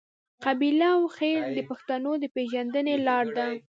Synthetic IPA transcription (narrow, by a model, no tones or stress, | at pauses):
qabilaːwxeɾd̪əpaxt̪anod̪əpeʒand̪ənelɑɾd̪a